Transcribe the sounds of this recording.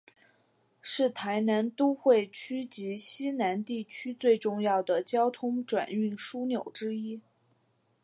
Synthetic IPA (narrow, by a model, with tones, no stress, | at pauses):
ʂɻ̩˥˩t̪ʰa˧˥ɪna˧˥nt̪u˥xwe˥˩ɪt͡ɕʰy˥t͡ɕi˧˥ɕi˥na˧˥nt̪i˥˩t͡ɕʰy˥t͡swe˥˧ɪʈ͡ʂʊ˥˧ŋjɑ˥˩ʊd̪ə˩t͡ɕjɑ˥ʊt̪ʰʊ˥ŋʈ͡ʂwa̰˨˩ny˥˩ŋʂu˥njo˨˩ʊʈ͡ʂɻ̩˥i˥